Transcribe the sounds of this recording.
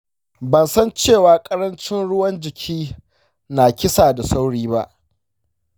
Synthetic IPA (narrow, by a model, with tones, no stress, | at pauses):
bɐ˨nsɐ˦nt͡ʃeː˦˨waː˨kʼɐ˦ɾɐ˦nt͡ʃɪ˦nɽʊ˦wɐ˦nd͡ʒɪ˨kʲʰiː˦ | naː˨kʲɪ˦saː˨da˨sa˦wɽiː˦ba˦ʔ